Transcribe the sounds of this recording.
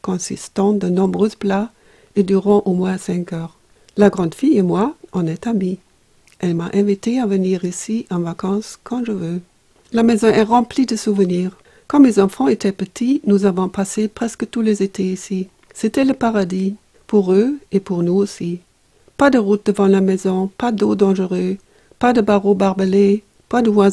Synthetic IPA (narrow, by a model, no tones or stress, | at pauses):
kɔ̃sḭst̪ɑ̃d̪ənɔ̃bʁøzpla | ed̪yʁɑ̃ʔomwɛ̃sɛ̃kœːʁ | laɡʁɑ̃d̪fijemwaɔ̃nɛt̪ami | ʔɛlmaʔɛ̃vit̪eavəniːʁisiɑ̃vakɑ̃skʰɑ̃ʒəvø | lamɛzɔ̃ʔɛʁɑ̃plid̪əsuvəniːʁ | kɔ̃mezɑ̃fɑ̃et̪ʰɛpət̪ʰinuzavɔ̃pasepʁ̥ɛskət̪ulezet̪ʰeisi | set̪ɛləpaʁad̪i | puʁøepuʁnuosi | pad̪əʁut̪̚d̪əvɑ̃lamɛzɔ̃pad̪od̪ɑ̃ʒəʁø | pad̪əbaʁobaʁbəle | pad̪əvwa